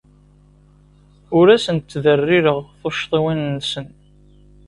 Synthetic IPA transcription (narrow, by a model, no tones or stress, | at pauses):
ʊɾæsənt̪ːðərːiɾəʁθoʃt̪ˤiwinːsən